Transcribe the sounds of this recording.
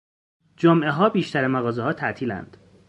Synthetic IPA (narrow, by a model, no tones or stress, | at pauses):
d͡ʒomʔe̞ɦɒːbiːʃt̪æɾemæɣɒːzehɒːt̪ʰæʔt̪ʰiːlæ̰nd̪̥